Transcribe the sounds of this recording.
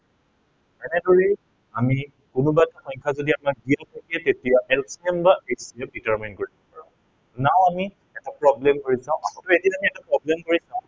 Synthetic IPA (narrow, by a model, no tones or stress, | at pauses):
ɛnɛdɔɹɛ | ami | kʊnʊbatxɔjɲkʰazodiamak̚dijatʰakiɛtetijahɛlpʰsɛmbaesɛp̚ditaɹminkoɹibɔpaɹã̰ʊ | naʊ̃ami | ɛtapɹɔblɛmkoɹisãʊ̃ʔaɦɔ̃tʊedinamiɛtapɹɔblɛmkoɹisãʊ̃